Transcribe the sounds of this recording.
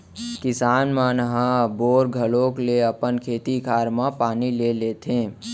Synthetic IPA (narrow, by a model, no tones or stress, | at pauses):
kɪsaːnmanəɦə̃boːɾɡʱəlõːkleəpənkʰeːt̪ikʰaːɾmãpaːnileleːt̪ɦẽː